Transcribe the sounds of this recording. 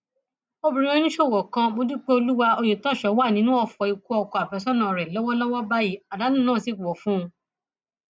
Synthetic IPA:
o˧bĩ˨˧ɾ̃ẽ˦nĩ˦ʃo˦˨wɔ˨kã˧ɡ͡bo˧˦du˦k͡pe˦o˧lu˦wa˧o˧je˨tɔ˦˨ʃɔ˨˦wa˦˨nĩ˨˦nũ˦ɔ˧fɔ˧˨i˨˧ku˦ɔ˧kɔ˧a˨bɛ˨˦sɔ˦nã˨ɾɛ˨lɔ˦wɔ˦lɔ˦wɔ˦ba˦ji˦˨a˨da˨˦nũ˦˨nãː˦˨si˨˦˨ɔ˨fũ˦˧

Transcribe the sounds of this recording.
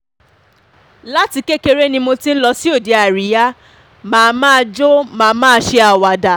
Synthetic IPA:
la˦ti˧ke˦ke˦ɾe˦nĩ˧mo˧ti˧n̩˦lɔ˧si˦o˦˨de˨˦a˨ɾi˨˦ja˦ | mãː˨˧mãː˦˧d͡ʒo˦mãː˧mãː˦˧˦ʃe˧a˨wa˨da˨

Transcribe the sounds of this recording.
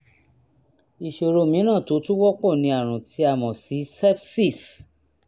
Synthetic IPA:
i˧ʃo˧ɾo˧mĩ˨˦nã˦˨to˨˦tu˦wɔ˦k͡pɔ˦˨nĩ˧˦a˨ɾ̃ũ˨ti˨˧˦a˦˨mɔ̃˨si˨˦sɛ˦bsi˦˨s

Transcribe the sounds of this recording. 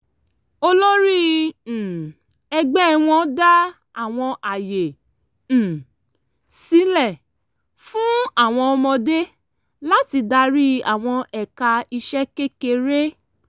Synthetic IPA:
o˦lɔ˦ɾĩ˦˨ | ɛ˧ɡ͡bɛ˦˧w̃ɔ̃˧˦da˦ | a˦˨w̃ɔ̃˧ʔa˨je˨ | si˨˦lɛ˦˨ | fũ˦a˦˨w̃ɔ̃˧ɔ˧mɔ̃˧de˦ | la˦ti˨˧da˧ɾi˦a̰˨w̃ɔ̃˧ʔɛ˨ka˧i˧ʃɛ˦ke˦ke˧ɾe˦

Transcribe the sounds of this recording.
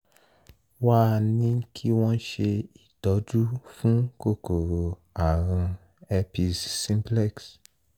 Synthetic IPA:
wa˦nĩ˦kʰi˦w̃ɔ̃˦ʃe˧i˨dɔ˨˦d͡ʒu˦fũ˦ko˦˨ko˨ɾo˨ | a˨ɾ̃ũ˧ | ɛ˧pi˧ssĩ˧˦plɛ˦˨ks

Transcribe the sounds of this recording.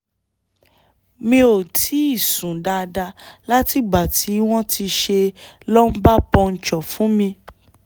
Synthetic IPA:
mĩ˧o˨tʰi˨˦i˦˨sũ˨da˧da˧la˦ti˨˦ba˨tʰi˨˦w̃ɔ̃˦tʰi˧ʃe˧ | lɔ˦m̩˦ba˦pɔ̃˧n̩˨t͡ʃɔ˨fũ˨˦mĩ˧

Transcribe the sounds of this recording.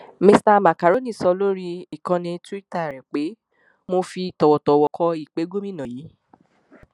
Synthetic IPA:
me˧sta˧ma˨ka˨ɾo˨˦nĩ˦˨sɔ˧lo˦ɾi˧i˨kã˧nĩ˧ti˦ta˦˨ɾɛ˨k͡pe˨˦ | mo˧fi˧˨tɔ˨wɔ˨tɔ˨wɔ˧kʰɔ˧i˦˨k͡pe˨˦ɡo˦mĩ˦nã˨ji˨˦

